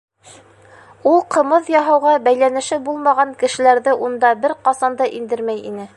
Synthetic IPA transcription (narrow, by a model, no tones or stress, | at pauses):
ulˠqɤ̆mɤðjɑɦɑwʁɑbæjlænɘ̆ʃɘbulˠmɑʁɑŋkɘ̆ʃɘ̆læɾðɘʔund̪ɑbɘɾqɑsɑnd̪ɑʔind̪ɘɾmæjḭnɘ